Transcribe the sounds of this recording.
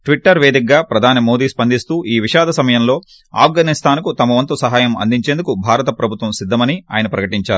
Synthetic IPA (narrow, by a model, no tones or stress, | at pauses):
ʈʋiʈːɐɾʋe̞ːd̪ik̚ɡaːpɾɐd̪ʱaːnimo̞ːd̪iːspɐnd̪ist̪uːʔiːʋiʃaːd̪ʱɐsɐmɐjɐmlo̞ː | a̰ːfɡaːnist̪ʰaːnkut̪ɐmɐʋɐnt̪usɐɦaːjɐmɐ̰nd̪iɲt͡ʃe̞ːnd̪ukubʱaːɾɐt̪ɐpɾɐbʱut̪ʋɐmsid̪ʱːɐmɐnia̰ːjɐnɐpɾɐkɐʈiɲt͡ʃaːɾu